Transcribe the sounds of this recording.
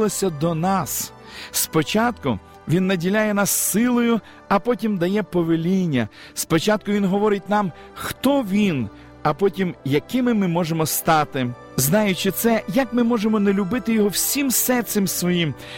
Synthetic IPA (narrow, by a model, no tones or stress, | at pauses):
lˠɔsʲɐd̪ɔnɑs | spɔt͡ʃɑt̪kʊ̰ | ʋʲinːɐdʲilʲajɛnɑsːɪlˠɔjʊ | ɐpɔtʲimd̪ɐjɛpɔʋelʲinʲːɐ | spɔt͡ʃɑt̪̚kʊʋʲinɦɔʋɔɾɪt̚ʲnɑm | xt̪ɔʋʲin | ɐpɔtʲimjɐkɪmɪmɪmɔʒemɔst̪ɑt̪ɪ | znɑjʊt͡ʃɪt̪sɛjɐkmɪmɔʒemɔnelʲʊbɪt̪ɪjɔɦɔwsʲimsɛrt̪semsʋɔjim